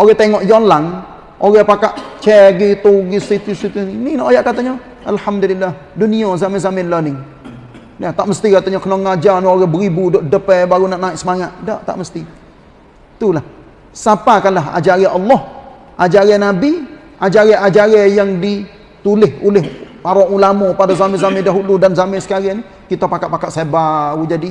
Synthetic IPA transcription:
oɣɛht̪eŋɔʔjolaŋ | oɣɛhpakaʔt͡ʃɛɡit̪oɡisit̪usit̪unininaʔojaʔkat̪aɲa | ʔalhamd̪ulilːah | duniazamɛzamɪnlənɪŋ | nat̪aʔməst̪ikat̪aɲɔkənɔŋːad͡ʒanioɾɛhbəɾibudoʔdəpɛbaɾunaʔnaɪʔsəmaŋat̪̚daʔt̪a̰ʔməst̪i | t̪ulah | sapakanlaɦa̰d͡ʒaɾɛʔɑlːɔh | ʔad͡ʒaɾɛnabi | ʔad͡ʒaɾɛʔad͡ʒaɾɛjaŋdi | t̪ulɪhulɪɦpaɾɔʔulamɔpadazamɪzamɪdaɦuludanzamɪsə̥kaɾɪni | kit̪apakat̪ʔ̪̚pakat̪sebaud͡ʒadi

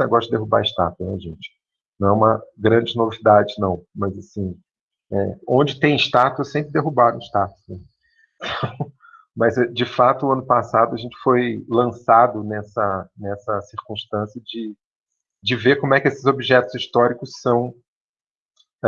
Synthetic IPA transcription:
ɛɡɔʃt̪ɐd̪eɦuba̰ɪʃt̪a̰t̪ɐnɛʒẽt͡ʃɪ̥ | nɐ̃w̃ɛũmɐɡɾɐ̃d͡ʒɪnovid̪ad͡ʒɪnɐ̃w̃mɐzasĩ | ɛõd͡ʒɪt̪ẽj̃ɪʃt̪at̪ʊɛsẽpɾɪd̪eɦubaɾʊ̃ɪʃt̪at̪ʊ̥snɛ̃ | t̪ʰɐ̃ | mɐzɛd͡ʒɪfat̪ʊɐ̃nʊpasad̪ʊɐʒẽnt͡ʃɪ̥fojlɐ̃sad̪ʊnɛsɐnɛsɐsiɾkũʃt̪ɐ̃siɐd͡ʒɪ | d͡ʒɪvekõmʊɛkʲɪesɪzobiʒɛt̪ʊziʃt̪ɔɾikʊssɐ̃w̃

